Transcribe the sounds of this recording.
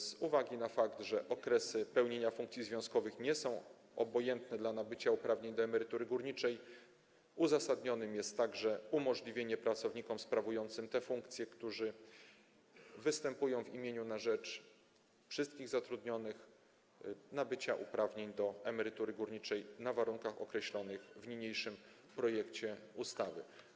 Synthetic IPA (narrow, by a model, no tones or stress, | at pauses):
z̥uvaɡʲinafakt̪ʐɛʔɔkɾɛsɘpɛwɲeɲafuŋkt̪sʲizvʲjɔ̃skɔvɘxɲɛsɔ̃w̃ | ɔbɔjɛnt̪nɛd̪lanabɘt͡ɕaupɾavɲeɲd̪ɔɛmɛɾɘt̪uɾɘɡuɾɲit͡ʂɛj | uzasad̪ɲɔnɘmjɛst̪ːaɡʐɛumɔʐlʲivʲjeɲɛpɾat̪sɔvɲikɔmspɾavujɔnt̪sɘmt̪ɛfuŋkt̪sʲjɛkt̪uʐɘ | vɘst̪ɛmpujɔ̃w̃vimʲjeɲunaʐɛt͡ʂ | fʂɘst̪̚kʲiɣzat̪ɾud̪ɲɔnɘx | nabɘt͡ɕaʔupɾavɲeɲd̪ɔɛmɛɾɘt̪uɾɘɡuɾɲit͡ʂɛjnavaɾuŋkaxɔkɾɛɕlɔnɘɣvɲiɲejʂɘm | pɾɔjɛkt͡ɕɛust̪avɘ̰